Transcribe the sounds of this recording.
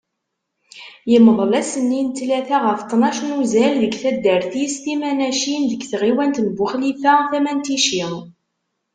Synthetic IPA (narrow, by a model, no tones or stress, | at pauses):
jəməðˤlæsənːint̪læθæʁəft̪ˤːnɑʃnuzælðəɡθæd̪ːəɾθist̪imænæʃinðəɡθʁiwænt̪nbʊχlifæθæmænt̪iʃi